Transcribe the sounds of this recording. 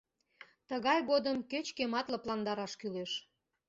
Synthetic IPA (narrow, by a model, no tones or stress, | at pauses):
t̪əɣɑjɣod̪əmkøt͡ɕkemɑt̪lɤplɑnd̪ɑɾɑʃkyleʃ